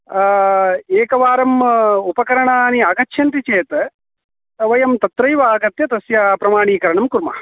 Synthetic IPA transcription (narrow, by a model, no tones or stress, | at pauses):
eːkɐʋaːɾɐmupɐkɐɾɐɳaːniaːɡɐt͡ʃːʃʰjɐnt̪it͡ʃeːt̪ɐ | ʋɐjɐmt̪ɐt̪ɾɐjʋaːɡɐt̪jɐt̪ɐsjaːpɾɐmaːɳ̃iːkɐɾɐɳɐmkuɾma̰ː